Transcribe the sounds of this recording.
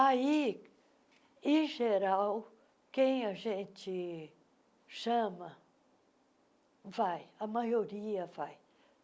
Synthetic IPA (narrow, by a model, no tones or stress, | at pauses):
ai | ẽʒeɾaw | kẽj̃ɐʒẽt͡ʃɪ | ʃɐ̃mɐ | vajɐmajoɾiɐvaj